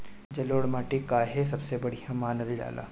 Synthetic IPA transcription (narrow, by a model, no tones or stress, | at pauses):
d͡ʒɐloːɽmaːʈekaːɦes̬ɐbsebɐɽijãmaːnəd̪d͡ʒa̰ːla̰ː